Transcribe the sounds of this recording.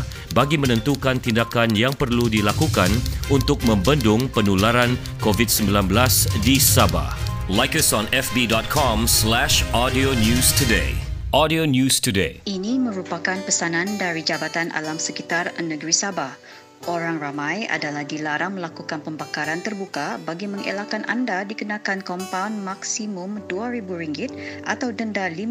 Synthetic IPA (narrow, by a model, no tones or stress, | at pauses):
baɡimə̃nə̃nt̪ukant̪indakanjaŋpərludilakukanunt̪ʊk̚mə̃mbəndʊŋpənulaɾan | kovit̚səmbilanbəlasdisaba̰h | lajkəsɔ̃nɛfbidɔt̪̚kʰɔmslɛʃɔdionjustudḛʔɔdionjustudḛinimə̃ɾupakanpəsanãndaɾid͡ʒabat̪anʔa̰lamsəkit̪arnəɡɾisabah | ʔoɾaŋramãja̰dalahdilaɾaŋməlakukanpəmbakaɾant̪ərbukabaɡimə̃ŋḛlakanʔa̰ndadikənakankɔmpawnmaksimʊmduaɾibuɾiŋɡɪt̪̚ʔa̰t̪awdəndali